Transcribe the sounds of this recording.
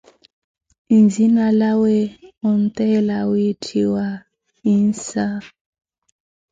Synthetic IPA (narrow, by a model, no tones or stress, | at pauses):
inzinalaweɔntɛlawitʰiwa | insa